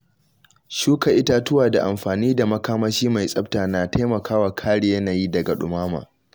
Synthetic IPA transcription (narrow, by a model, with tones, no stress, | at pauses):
ʃuː˦ka˨ʔɪ˦taː˦tʊ˦waː˨da˨ʔa˨mɸaː˨niː˦da˨mɐ˦kaː˦mɐ˦t͡ʃiː˦ma˨jsʼɐ˦p̚taː˨na˨ta˦mɐ˨kʰaː˦waː˨kʰaː˦ɽɪ˨je˦naː˨jiː˦dɐ˨ɡa˨ɗʊ̰˨maː˦ma̰ː˨